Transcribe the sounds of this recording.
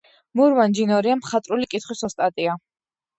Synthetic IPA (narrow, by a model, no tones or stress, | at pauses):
muɾvand͡ʒinɔɾiamχat̪ʼɾulikʼit̪ʰχwisɔst̪ʼat̪ʼia